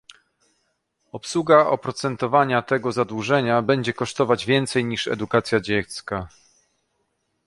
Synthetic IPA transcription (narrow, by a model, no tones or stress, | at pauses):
ɔpswuɡaʔɔ̰pɾɔt̪sɛnt̪ɔvaɲat̪ɛɡɔzad̪wuʐɛɲabɛɲd͡ʑɛkɔʂt̪ɔvad͡ʑvʲjɛnt̪sɛjɲiʂɛ̰d̪ukat̪sʲjad͡ʑɛt̪ska